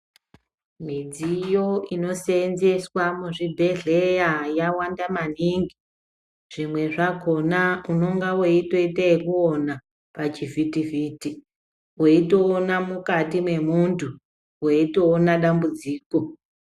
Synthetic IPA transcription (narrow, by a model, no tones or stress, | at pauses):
mid͡zijo̞ino̞senzeswamuʐibʱe̞ɮe̞jajawandamaniŋɡi | ʐ̥imwe̞ʐako̞nauno̞ŋɡaweito̞itaekuona | pat͡ʃivitiviːti | weito̞ːnamukatimwe̞muntʰu | weito̞ːnaɗambud͡ziːko̞